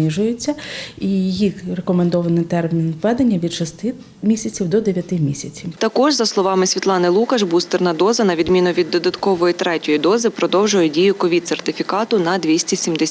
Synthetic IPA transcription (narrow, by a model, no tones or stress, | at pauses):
iʒʊjʊt͡sʲːɐijijirekɔmend̪ɔʋɐnɪt̪ɛrmʲinʋɛd̪enʲːɐʋʲid̪ʃɔst̪ɪ | mʲisʲɐt͡sʲiwd̪ɔd̪eʋʲjɐt̪ɪmʲisʲɐt͡sʲiwt̪ɐkɔʒzɐslˠɔʋɑmɪsʲʋʲit̪lˠɑnɪlˠukɐʒbust̪ɪrnɐd̪ɔzɐnɐʋʲid̪mʲinʊʋʲid̪ːɔd̪ɐt̪kɔʋɔjit̪ɾɛtʲɔjid̪ɔzɪpɾɔd̪ɔwʒʊjɛdʲijʊkɔʋʲidt̪sert̪ɪfʲikɑt̪ʊnɐd̪ʋʲisʲtʲisʲimd̪e